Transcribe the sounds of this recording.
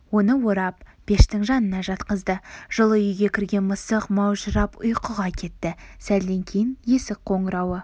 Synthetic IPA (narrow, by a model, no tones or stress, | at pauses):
wo̞nəwo̞ɾɑp̚b̥e̞ʃt̪ɪŋʒɑnənɑʒɑt̪qəzd̪əʒ̥əlˠəʏjɡʲe̞kʲʰɪɾɡʲe̞nməsəqmɑwʒəɾɑpʊ̰jqəʁɑkʲʰe̞t̪ːɪsæld̪e̞ŋkʲʰejɪnje̞sɪk̚qʰo̞ɴəɾɑwə